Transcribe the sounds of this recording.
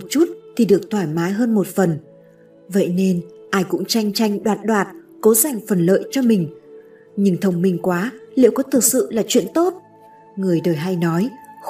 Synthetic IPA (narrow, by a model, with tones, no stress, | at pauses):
o˨˩t̚t͡ɕu˦˥t̚t̪ʰi˨˩ɗɨ˨˩ək̚t̪ʰwaː˧˩jmaː˨˦jɦəː˧nmo˨˩t̚fə˨˩n | və̰˧˨jne˧nʔaː˧jkʊ̰˧˥ŋ͡mt͡ɕa˧jŋ̟t͡ɕa˧jŋ̟ɗwaː˨˩t̚ɗwaː˨˩t̚ko˨˦za˨˩jŋ̟fə˨˩nlə̰ː˧˨jt͡ɕɔ˧mï˨˩ŋ̟ | ɲɨ˧˩ŋt̪ʰə˧wŋ͡mmï˨˩ŋ̟kwaː˨˦lḭ˧˨əwkɔ˨˦t̪ʰɨ˨˩k̚sɨ̰˧˨laː˨˩t͡ɕwḭ˧˨ənt̪o˦˥t̚ | ŋɨ˨˩əjɗəː˨˩jɦa˧jnɔ˨˦j